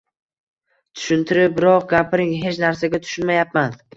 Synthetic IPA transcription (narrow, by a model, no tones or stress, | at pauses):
t̪ʰʊ̥ʃʊnt̪ʰɪɾɪp̚bɪɾɒq̚ɡʲapɾɪŋɦe̞t͡ʃnaɾsaɡʲat̪ʰʊ̥ʃʊnmajap̚man